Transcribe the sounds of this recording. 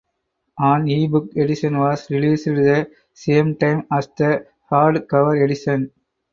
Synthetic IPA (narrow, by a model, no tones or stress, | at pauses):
ʔãːniːbʊkɛɖɪʃɐ̃nʋaːsɾɪliːsɪʈðɐ | seːmʈãɪmaːsd̪ɐ | haːɾɖkɐʋɐɾɛɖɪʃɐ̃n